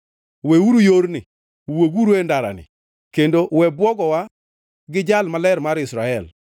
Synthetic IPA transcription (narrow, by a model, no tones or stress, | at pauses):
wewuɾujoɾnɪ | woɡuɾendaɾa̰nɪ̰ | kendowɛbwɔɡɔwa | ɡɪd͡ʒalmalɛɾmaɾɪsɾaɛl